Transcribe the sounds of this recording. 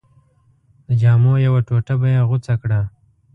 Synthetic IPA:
d̪̥əd͡ʒɑːmojawaʈoʈabajeɣʊt͡sakɽa

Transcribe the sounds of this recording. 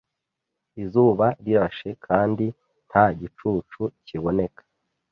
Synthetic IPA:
izuːβaɾiɾaʃe̞kʰaːndi | n̥haɟit͡ʃuːt͡ʃuciβo̞ne̞kʰḁ

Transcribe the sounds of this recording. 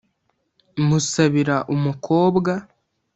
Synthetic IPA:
musaβiɾaʔumukʰo̞ːbɡa

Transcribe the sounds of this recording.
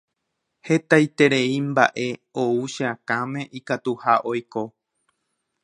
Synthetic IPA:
he̞t̪ajt̪e̞ɾeimba̰ʔe̞ouʃeãkãmẽ̞ʔikat̪uhaʔo̞jko̞

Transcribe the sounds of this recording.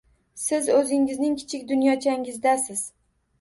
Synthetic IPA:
sɪzɵzɪŋɪznɪŋkʲʰɪ̥t͡ʃʰɪk̚ʲd̪ʊnjɒt͡ʃʰaŋɪzd̪asɪz̥

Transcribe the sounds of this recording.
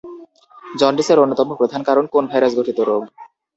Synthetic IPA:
d͡ʑɔɳɖiseɾonːot̪ɔmopɾod̪ʱankaɾonkonbʱajɾasɡʱoʈʰit̪oɾoɡ

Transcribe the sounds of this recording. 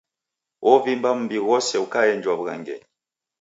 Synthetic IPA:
ʔɔvimbam̩mbiɣɔsɛukajɛnd͡ʒwaβuɣa̰ŋɡɛ̰

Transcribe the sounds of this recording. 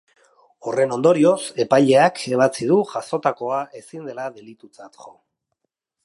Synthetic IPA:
o̞re̞no̞nd̪o̞ɾio̞se̞pajʎe̞akʰe̞β̞at͡sið̞uʝaso̞t̪ako̞aʔe̞sind̪e̞laðe̞lit̪ut͡sat̪ʝo

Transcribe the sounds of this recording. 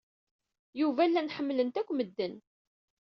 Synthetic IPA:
juvælːænħəmːlənt̪ækʷːməd̪ːən

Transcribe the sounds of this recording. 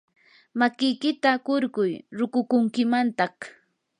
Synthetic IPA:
makɪjkɪt̪akʊɾɢʊjɾʊkʊkʊŋkɪmant̪ɑχ

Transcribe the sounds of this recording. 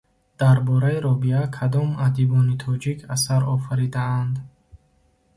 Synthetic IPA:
d̪̥aɾbɔɾaiɾɔbiakʰad̪ɔmad̪ibɔnit̪ʰɔd͡ʒikʰasaɾɔfaɾid̪aand̪

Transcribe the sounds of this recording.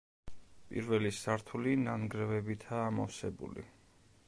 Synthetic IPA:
pʼḭɾvɛlisaɾt̪ʰulinanɡɾɛvɛbit̪ʰaːmɔfsɛbṵlḭ

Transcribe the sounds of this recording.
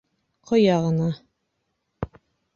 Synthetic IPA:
qʰŏjɑʁɤ̆nɑ

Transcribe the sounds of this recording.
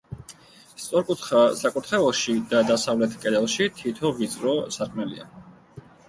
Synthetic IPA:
st̪sʼɔɾkʼut̪ʰχasakʼut̪ʰχɛvɔʃid̪ad̪asavlɛt̪ʰkʼɛd̪ɛlˠʃit̪ʰit̪ʰɔvit̪sʼɾɔsaɾkʰmɛlḭa̰

